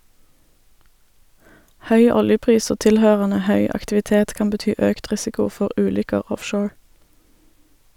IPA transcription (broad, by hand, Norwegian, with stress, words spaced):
ˈhœʏ ˈɔljəˌpʁiːs ˈoː ˈtɪlhøːʁənə ˈhœʏ ɑktɪʋɪˈteːt ˈkɑːm bəˈtyː ˈøːkt ˈʁɪsɪkʊ ˈfɔʁ ˈʔʉːlʏkəʁ ˈɔfʃoːɹ